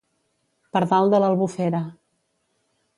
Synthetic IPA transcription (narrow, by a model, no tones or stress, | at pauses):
pəɾt̪alˠd̪ələlˠβufɛɾə